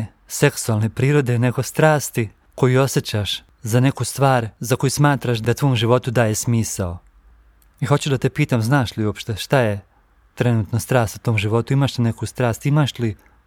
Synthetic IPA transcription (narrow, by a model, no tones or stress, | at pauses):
se̞ksualˠne̞pɾiːɾo̞d̪e̞ne̞ɡo̞st̪ɾaːst̪i | ko̞juo̞set͡ɕaʃ | zane̞kust̪ʋaːɾzako̞jusmaːt̪ɾaʃ̬d̪at̪ʋo̞ːmʒiʋo̞t̪ud̪aːjesmiːsao | ixo̞t͡ɕud̪at̪e̞piːt̪amznaːʃliuopʃt̪eʃt̪aje̞ | t̪ɾe̞nuːt̪nost̪ɾaːst̪ut̪o̞ːmʒiʋo̞t̪uimaːʃt̪anekust̪ɾaːst̪imaːʃli